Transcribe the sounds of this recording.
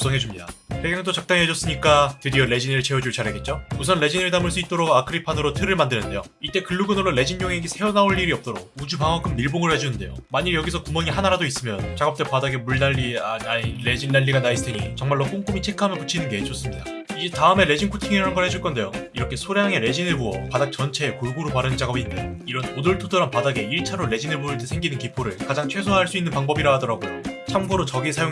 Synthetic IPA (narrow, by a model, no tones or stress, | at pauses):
us͈ʰʌŋɦe̞d͡ʑumɲida̰teɡŋɯndot͡ɕak̚t͈aŋɦed͡ʑʌs͈ɯɲik͈atɯɾiʌɾe̞d͡ʑinɾɯɭt͡ɕʰe̞od͡ʑuɭt͡ɕaɾɦeɡe̞t̚t͡ɕ͈ousʰʌnle̞d͡ʑinɯɭtamɯɭs͈uit̚t͈oɾoɡakʰɯɾipʰanɯɾotʰɯɾɯɭmandɯnɯnde̞jo | it͈e̞kɯɭːuɡɯnɯɾole̞d͡ʑinɲoŋeɡisʰe̞onaoɭːiɾiʌp̚t͈oɾok̚ud͡ʑupaŋʌk͈ʰɯmːiɭboŋɯɭhed͡ʑunɯnde̞̰jo̰maɲijʌɡisʰʌkumʌŋiɦanaɾadois͈ɯmjʌnt͡ɕaɡʌp̚t͈epadaɡe̞muɭnaʎːianaiɾe̞d͡ʑinːaʎːiɡanaisʰɯ̥tʰeŋit͡ɕʌŋmaɭːok͈oŋk͈umit͡ɕʰe̞kʰɯɦamjʌnput͡ɕʰinɯnɡe̞t͡ɕ͈ʌs͈ɯmɲida | id͡ʑetaɯme̞ɾe̞d͡ʑinkʰotʰiŋiɾaanɡʌɭhe̞d͡ʑuɭk͈ʌnde̞joiɾʌkʰe̞sʰoɾjaŋe̞ɾe̞d͡ʑinɯɭbuʌpadak̚t͡ɕʌnt͡ɕʰe̞ːkoɭɡuɾopaɾɯnt͡ɕaɡʌbindeiɾʌnodɯɭtʰodoɾanpadaɡe̞iɭt͡ɕʰaɾoɾe̞d͡ʑinɯɭpuɯɭt͈e̞sʰe̞ŋɡinɯnkipʰoɾɯɭkad͡ʑaŋt͡ɕʰwe̞sʰoɦaɭs͈uinːɯnpaŋbʌbiɾaɦadʌɾaɡot͡ɕʰamɡoɾot͡ɕʌɡisʰajoŋ